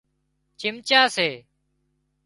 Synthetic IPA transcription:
t͡ʃɪmt͡ʃaːseː

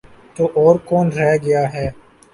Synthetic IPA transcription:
t̪oːʔɔːɾkɔːnɾɛɡɐjaːɦɛː

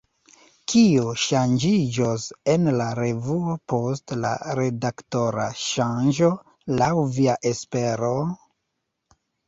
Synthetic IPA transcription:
kʰioʃand͡ʒid͡ʒose̞nlaɾe̞vuopo̞stla̰ɾe̞dakto̞ɾaʃanʒo̞ | lawviaʔe̞spe̞ɾo

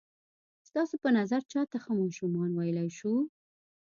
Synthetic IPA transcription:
st̪ɑsopənazaɾt͡ʃɑt̪axəmɑʃumɑnwajəlajʃu

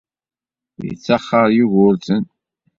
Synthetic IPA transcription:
jə̰t͡sːɑχːəɾˤjuʝʊɾθən

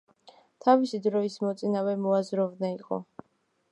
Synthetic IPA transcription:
t̪ʰavisid̪ɾɔismɔt̪sʼinavɛmɔazɾɔvnaiqʼɔ̰

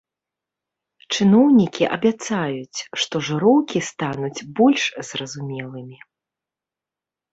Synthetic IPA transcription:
t͡ʂɨnɔwnʲikʲiʔɐ̰bʲat̪sajut͡sʲʂt̪ɔʐɨɾɔwkʲist̪anud͡zʲbɔlʲʂz̥rɐzumʲɛlˠɨmʲi

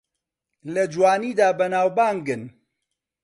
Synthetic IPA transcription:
lɐd͡ʒwaːniːd̪aːbɐnaːwbaːŋɡɨn

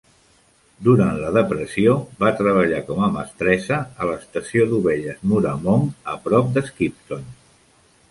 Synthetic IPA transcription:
d̪uɾant̪ləðəpɾəsioβat̪ɾəβ̞əʎakɔməmə̰st̪ɾɛzəːləːst̪əsioðuβeʎəzmuɾəmoŋəpɾɔp̚d̪əskip̚t̪on

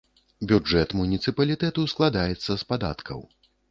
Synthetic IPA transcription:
bʲud͡ʐɛt̪munʲit̪sɨpɐlʲit̪ɛt̪usklˠad̪ajɛt̪sːɐspad̪a̰t̪kʰɐ̰w

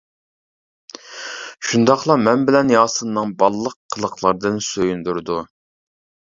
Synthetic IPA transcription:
ʃund̪ɑχlˠɑmɛnbɪlɛnjɑːsɨnːɨŋbɑlˠːəqʰːəlˠəqlˠɑɾd̪ɨnsøjynd̪uɾɨd̪u

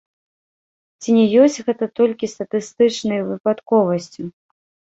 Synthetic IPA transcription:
t͡sʲinʲɛjɔsʲt͡sʲɣɛt̪ɐt̪ɔlʲkʲist̪ɐt̪ɨst̪ɨt͡ʂnɐjvɨpat̪kɔvɐsʲt͡sʲu

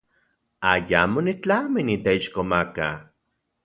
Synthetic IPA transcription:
ajamonit͡ɬaminit̪eiʃkomaka

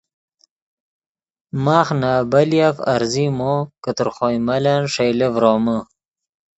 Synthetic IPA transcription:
maːχnaːbaljafa̰ɾzimokət̪əɾχojmalanʂejlevɾoːmə

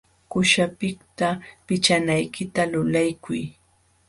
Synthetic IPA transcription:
kʊʃapɪk̚t̪apɪt͡ʃanajkɪt̪alʊlajkʰʊj

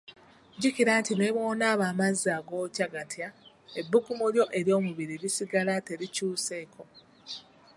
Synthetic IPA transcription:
ɟikiɾaːntineβo̞ːnaːβaːmaziaːɡo̞ːcaɡatʰja | e̞bːukumuljo̞ʔe̞ɾjo̞ːmuβiɾiɾisiɡalate̞ɾicuːse̞ːkʰo̞

